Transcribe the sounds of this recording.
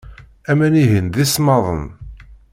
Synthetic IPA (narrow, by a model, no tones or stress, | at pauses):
æmæniɦənðismɑðˤə̰n